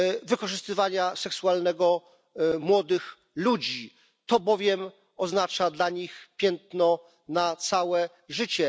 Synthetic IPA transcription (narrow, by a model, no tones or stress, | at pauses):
vɘkɔʐɘst̪ɘvaɲasɛksualnɛɡɔ | mwɔd̪ɘx | lud͡ʑi | t̪ɔbɔvʲjɛm | ɔznat͡ʂad̪laɲixpʲjɛnt̪nɔ | nat̪sawɛ | ʐɘt͡ɕɛ